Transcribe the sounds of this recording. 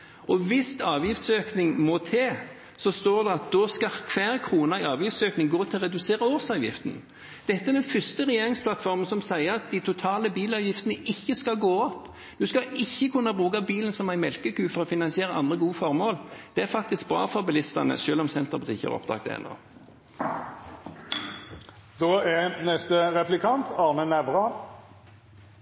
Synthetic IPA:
ɔʋɪst̪ɑːʋjɪft̪søːknɪŋmɔt̪ʰeː | sɔst̪oːɾd̪ɛɑt̪̚d̪ɔskɑkʰʋæːɾkʰɾuːnɑɪɑːʋjɪft̪søːknɪŋɡoːt̪ʰɪlʁɛd̪ʉseːɾəoːsɑːʋjɪ̰ft̪ən̩ | d̪̥ɛt̪ːəæɾd̪ɛnfʏst̪əʁɛjeːɾɪŋspʰlɑt̪fɔɾmənsɔmsæɪəɾɑt̪̚d̪æɪt̪ʰʊt̪ʰɑːləbiːlɑːʋjɪft̪ənəʔɪçːəskɑlɡoːɔpː | d̪̥ʉskɑɪçːəkʰʉnːɑbʁuːkɑbiːlənsɔmæɪnmɛlkəkʉːfɔɾɔfɪnɑnsɪeːɾəʔɑ̰nd̪ɾəɡuːəfɔɾmoːld̪̥ɛæɾfɑk̚t̪ɪsk̚bɾɑ̰ːfɔɾbɪlɪst̪ɑnə̰ʃøːlɔmsɛnt̪əbʉt̪ɪkːə̰ɛ̰ɾɔ̰pd̪ɑ̰ːɡ̚t̪æ̰ɪ̰no̰ː | d̪̥oːɛnɛst̪əʁɛplɪkʰɑnt̪ʰɑːʁnənæʋʁɑ

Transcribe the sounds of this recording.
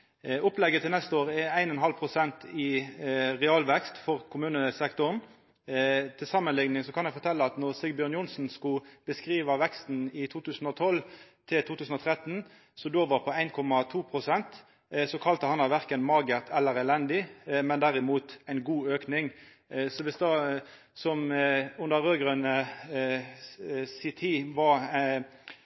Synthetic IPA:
ʊplɛɡːət̪ʰɪlnɛst̪əoːʁəɛæɪnɔnɦɑlpʰʁʊsɛnt̪ʰɪ | ʁɛɑlʋɛkst̪fɔʁkʰʊmʉːnəsɛkt̪ʊʁn | t̪ʰɪlsɑmːənlɪŋnɪŋsɔkʰɑnjæfɔʁt̪ʰɛlːəɑt̪nɔʁsɪɡbjøːʁnjʊnsn̩skʊb̥əskʁiːʋɑʋɛkst̪n̩ɪt̪ʰuːt̪ʉːsn̩ɔt̪ʰɔlt̪ʰɪlt̪ʰuːt̪ʰʉːsn̩ɔːt̪ʰʁɛt̪n | sɔd̪oːʋɑʁpʰɔæɪnkʰɔmɑt̪ʰuːpʰʁʊsɛnt̪ | sɔkʰɑlt̪əhɑnɑʋæʁkənmɑɡəʁt̪ʰɛlːəʁɛlɛnd̪ɪmɛnd̪æʁɪmuːt̪æɪnɡuːøːknɪŋ | sɔʋɪsd̪ɑː | sɔmʉnd̪əʁøːɡʁœnə | sɪt̪ʰiːʋɑʁ

